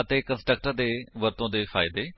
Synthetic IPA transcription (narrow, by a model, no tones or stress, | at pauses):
ət̪eːkə̃nsʈɾək̚ʈəɾd̪eːʋəɾt̪õːd̪eːfaːɪd̪eː